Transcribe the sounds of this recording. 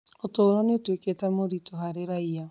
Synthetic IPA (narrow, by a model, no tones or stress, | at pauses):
otoɾɔnetweketamoɾitoɦaɾeɾaia